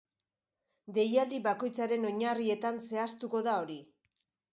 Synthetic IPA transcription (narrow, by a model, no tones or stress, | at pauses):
d̪e̞jald̪iβako̞jt͡saɾe̞no̞ɲarie̞t̪anse̞ast̪uko̞ðao̞ɾi